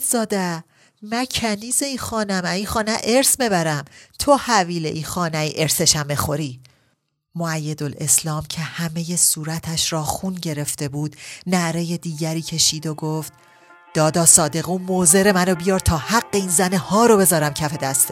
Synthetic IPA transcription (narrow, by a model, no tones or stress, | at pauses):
z̥ɒːd̪æ | mæcʰæniːzeiːxɒːnæmæiːxɒːnæʔeɾsbe̞bæɾæmt̪ʰo̞hæviːle̞̰ʔiːxɒːnæiʔe̞ɾse̞ʃæmːexo̞ɾiː | moæjːed̪o̞le̞slɒːmcʰe̞hæme̞je̞suːɾæt̪ʰæʃɾɒːxunɟe̞ɾe̞ft̪e̞buːd̪̥næɾe̞je̞d̪iːɟæɾiːcʰe̞ʃiːd̪oɡoft̪̚ | d̪̥ɒːd̪ɒːsɒːd̪e̞ɣuːmoze̞ɾe̞mæno̞bijɒːɾt̪ʰɒːhæɡːe̞iːnzænehɒːɾo̞be̞zɒːɾæmcʰæfe̞d̪æst̪